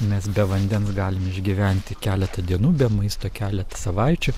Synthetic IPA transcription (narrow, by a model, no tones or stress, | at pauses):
mʲɛsbʲɛʋɐnʲd̪ʲɛnsɡɑːlʲɪmɪʒʲɡʲiʋʲæˑnʲt̪ʲɪkʲæːlʲɛt̪ɐd̪ʲiɛnuːbʲɛmɐɪst̪oːkʲæːlʲɛt̪ɐ̥sɐʋɐˑɪt͡ʃʲʊ